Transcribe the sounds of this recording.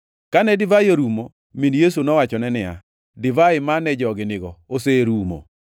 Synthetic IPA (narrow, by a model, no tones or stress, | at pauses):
kanɛdɪvaɪoɾumo | minjes̬unɔwat͡ʃɔnɛnɪa̰ | dɪvaɪmanɛd͡ʒɔɡɪnɪɡɔoseɾumo̰